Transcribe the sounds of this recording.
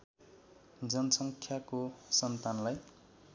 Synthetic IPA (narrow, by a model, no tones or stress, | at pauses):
d͡zʌnʌsʌŋkʰjakosʌnt̪anlaj